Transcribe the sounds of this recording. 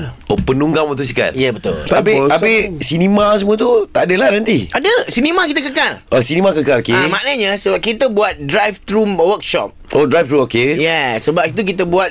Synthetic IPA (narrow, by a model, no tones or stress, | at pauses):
opənuŋɡamot̪us̬ika̰njɛbət̪ʊ̰labeabɪsinimas̬əmũat̪ut̪aʔdəlanant̪iadəsinimãkit̪əkəkalʔasinimakəkalokemanəɲəsəbap̚kit̪əbuat̪̚dɾajft̪ɾuwək̚ʃɔ̰p̚odɾajft̪ɾuokejɛsəbap̚it̪̬uk̬it̪əbuat̪̚